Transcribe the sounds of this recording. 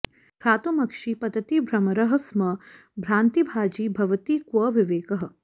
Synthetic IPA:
pɾaːt̪umɐkʂipɐd̪ɐt̪ibʱɾɐmɐɾɐɦɐ̆smɐbʱɾaːnt̪ibʱaːd͡ʒiːbʱɐʋɐt̪iːkwɐʋɪʋeːkɐɦɐ̆

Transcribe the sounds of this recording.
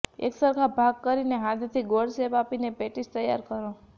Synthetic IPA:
ḛksəɾkʰabʱaɡ̚kəɾineɦãd̪ʱt̪ʰiɡoɽsepapinepeʈist̪əjːa̰ɾkəɾo

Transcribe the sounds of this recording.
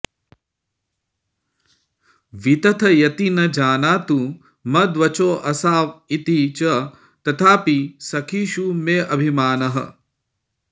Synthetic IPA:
ʋit̪ɐt̪ʰɐjɐt̪inɐd͡ʒaːnaːt̪u | mɐd̪ʋɐt͡ʃoːʔɐsaːʋit̪it͡ʃɐ | t̪ɐt̪ʰaːpisɐkʰiːʃumeːʔɐbʱimaːnɐɦɐ̰

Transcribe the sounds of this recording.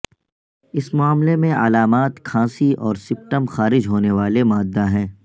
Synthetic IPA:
ɪsmʊaːmlemẽɐ̰laːmaːt̪kʰãːsiʔɔːɾsɪpʈəmxaːɾɪd͡ʒɦoːneʋaːlemaːd̪ːaɦɛ̃ː

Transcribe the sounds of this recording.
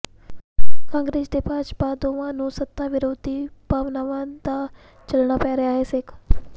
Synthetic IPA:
kãːŋɡɾeːd͡ʒd̪eːpaːʃbaːd̪oːʋãːnũːsət̪ːaːʋɪɾoːd̪ʱipaːʋnaːʋãd̪a | t͡ʃɐlɳ̃aːpɛːɾɐjaːɦɛːsek

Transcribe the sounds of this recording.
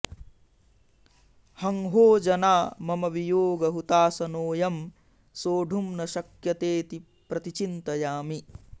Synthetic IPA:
hɐŋɦoːd͡ʒɐnaːmɐmɐʋijoːɡɐɦut̪aːsɐnoːjɐm | soːɖʱumnɐʃɐkjɐt̪eːt̪i | pɾɐt̪it͡ʃint̪ɐjaːmi

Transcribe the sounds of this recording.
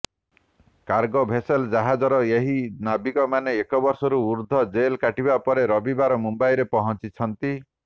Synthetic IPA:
kaɾɡɔbʱeseld͡ʒaɦad͡ʒɔɾɔeɦinabikɔmaneːkɔbɔɾsɔɾuuɾd̪ʱɔd͡ʒelkaʈibapɔɾeɾɔbibaɾɔmumbajɾepɔɦɔnt͡ʃit͡ʃʰɔnt̪i

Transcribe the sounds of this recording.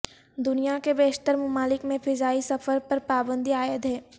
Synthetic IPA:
d̪ʊnijakebeːʃt̪əɾmʊmaːlɪkmẽfʰɪzaːisɐfəɾpɐɾpaːbə̃nd̪ʱiaːjəd̪ɦɛː

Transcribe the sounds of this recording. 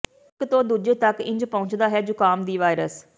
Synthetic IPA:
kt̪õːd̪uːd͡ʒeːt̪əkɪ̰̃ɲd͡ʒpə̃ʊ̃ɲt͡ʃd̪aːɦɛːd͡ʒʊkaːmd̪iːʋaːɪɾəs

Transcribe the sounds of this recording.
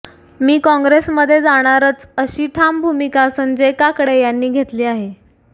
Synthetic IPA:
miːkɔ̃ŋɡɾesməd̪ʱːjed͡zaɽ̃aɾət͡səɕiːʈʰambʱumikasəmd͡zekakəɽejanːiːɡʱet̪liːaɦe

